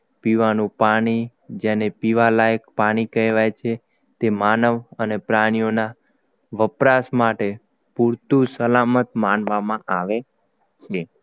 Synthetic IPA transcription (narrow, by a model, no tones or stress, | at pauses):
piʋanũpaɽ̃i | d͡ʒenepiʋalajkpaɽ̃ikəɦʋajt͡ʃʰe | t̪emanəʋənepɾaɽ̃ijona | ʋəpɾasmaʈe | puɾt̪ũsəlamət̪manʋamãʔaʋe | t͡ʃʰe